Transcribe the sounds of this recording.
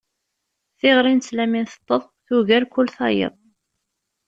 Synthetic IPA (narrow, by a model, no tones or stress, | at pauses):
θɪʁɾˤint͡sːlæminθə̥t̪ˤːəðˤθuʝæɾkʷːʊlθɑjə̰ðˤ